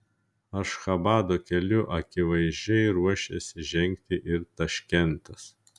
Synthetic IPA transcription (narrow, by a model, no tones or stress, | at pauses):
ɐʃxɐbɑːd̪oːkʲɛlʲʊʔɐkʲɪʋɐɪzʲd͡ʒʲɛɪɾuɔʃʲɛsʲɪʒʲɛŋʲkt̪ʲɪʔɪɾt̪ɐʃʲkʲɛnt̪ɐs